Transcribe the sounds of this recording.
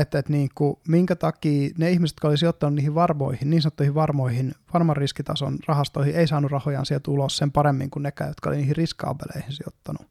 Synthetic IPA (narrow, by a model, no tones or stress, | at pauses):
et̪ːet̪niːŋkumiŋkæt̪ɑkiːneihmise̥t̪kæolisiot̪ːɑnunniːhiʋʋɑrmo̰ihinniːnsɑnot̪ːuihiʋʋɑrmoihinʋɑnmɑrriskit̪ɑso̰nrɑhɑst̪oihiʔeisɑːnurrɑhojɑ̰nsielt̪ulossempɑɾemːḭŋkunnekːˑæ̰ːjot̪kɑo̰liniːhirriskɑ̰ːpḛlḛihinsio̰t̪ːɑnu